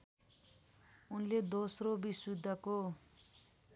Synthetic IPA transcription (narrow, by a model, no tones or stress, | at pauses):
unled̪osrobisud̪ʱːʌko